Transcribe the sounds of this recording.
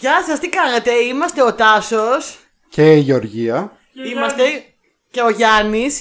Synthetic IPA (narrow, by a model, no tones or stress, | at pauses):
ʝɐsɐst̪ikɐnet̪e̞imɐst̪e̞o̞t̪ɐsos | ceiʝeo̞ɾʝiɐ | immɐst̪e̞ | ce̞o̞ʝɐnis